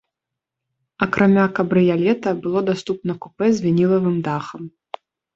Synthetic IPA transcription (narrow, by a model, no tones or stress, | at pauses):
ɐkɾʔamʲakɐbɾɨjalʲɛt̪ɐbɨlˠɔd̪ast̪up̚nɐkupɛzʲvʲinʲilˠɐvɨmd̪axɐm